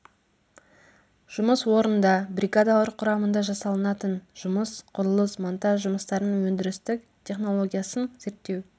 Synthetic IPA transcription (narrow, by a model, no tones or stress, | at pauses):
ʒ̥ʊməswo̞ɾənd̪ɑbrʲiɡad̪ɑwəɾqʰʊɾɑmənd̪ɑʒɑsɑlˠənɑt̪ənʒ̥ʊməsqʰʊɾəlˠəsmont̪ɑʒʒʊməst̪ɑɾnəɴwɵnd̪ɪɾɪst̪ɪk̚ | t̪ʲʰe̞χno̞lˠo̞ɡʲijasənze̞ɾt̪ːe̞w